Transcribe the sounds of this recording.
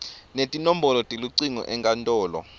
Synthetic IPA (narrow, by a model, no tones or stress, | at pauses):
netʼinom̩bɔlɔtʼiluǀiŋɔ̰ʔɛŋkʼantʼɔːlɔ̰